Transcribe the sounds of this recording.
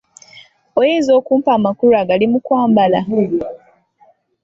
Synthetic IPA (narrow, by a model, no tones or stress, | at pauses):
ojeːzo̞ːkuːmpaːmakuɾaːɡalimukwaːmbala